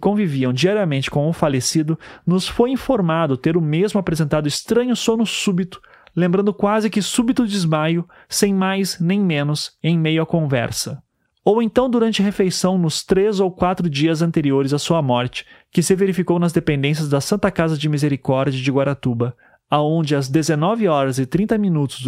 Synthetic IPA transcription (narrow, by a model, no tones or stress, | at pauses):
kõviviɐ̃w̃d͡ʒiaɾiɐmẽnt͡ʃɪ̥kõw̃ʊfalesid̪ʊnʊsfojĩfoɾmad̪ʊt̪eɾʊmezmʊapɾezẽnt̪ad̪ʊɪst̪ɾɐ̃ɲʊsõnʊsubit̪ʊ̥ | lẽmbɾɐ̃nd̪ʊkwazɪkɪsubit̪ʊd͡ʒɪzmajʊ | sẽj̃majsnẽj̃mẽnʊsẽj̃mejʊɐkõvɛ̰ɾsɐ | owẽnt̪ɐ̃w̃d̪uɾɐ̃nt͡ʃɪɦefejsɐ̃w̃nʊst̪ɾezowkwat̪ɾʊd͡ʒiɐzɐ̃nt̪eɾioɾɪzɐsuɐmɔɾt͡ʃɪ̥kɪsɪveɾifikownɐzd̪epẽnd̪ẽs̬jɐzd̪ɐsɐ̃nt̪ɐkazɐd͡ʒɪmizeɾikɔɾd͡ʒiɐd͡ʒɪɡwaɾat̪ubɐ | aõd͡ʒɪɐzd̪ezenɔvɪɔɾɐzɪt̪ɾĩnt̪ɐminut̪ʊ̥z